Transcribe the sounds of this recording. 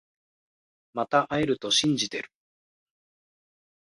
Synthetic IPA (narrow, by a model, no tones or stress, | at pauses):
mat̪aʔaeɾɯ̟t̪o̞ɕĩɲ̟d͡ʑit̪e̞ɾɯ̟̥